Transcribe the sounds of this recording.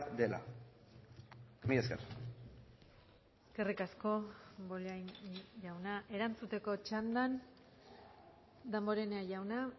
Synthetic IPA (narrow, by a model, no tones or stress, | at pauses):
d̪ela̰ | kmieska̰r | eske̞rikasko̞βolajnjawnaʔe̞ɾant͡sut̪e̞ko̞t͡ʃand̪an | d̪ambo̞ɾeneaʝawna